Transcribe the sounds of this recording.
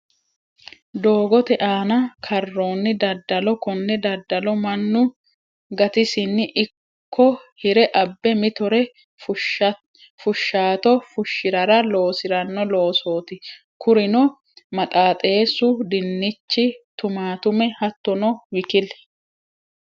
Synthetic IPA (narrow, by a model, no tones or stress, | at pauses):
d̪o̞ːɡɔt̪ɛʔaːnɐkʰɐrːo̞ːnːɪd̪ɐd̪ːɐlɔkɔnːɛd̪ɐd̪ːɐlɔmɐnːʊ | ɡɐt̪ɪsɪnːɪʔɪ | kʰːɔhɪɾɛʔɐbːɛmɪt̪ɔɾɛ | fʊʃːaːt̪ɔfʊʃːɪɾɐɾɐlo̞ːsɪɾɐnːɔlo̞ːso̞ːt̪ɪ | kʊɾɪnɔ | mɐt̪ʼaːt̪ʼe̞ːsʊd̪ɪnːɪt͡ʃːɪt̪ʊmaːt̪ʊmɛhɐt̪ːɔnɔwɪkɪl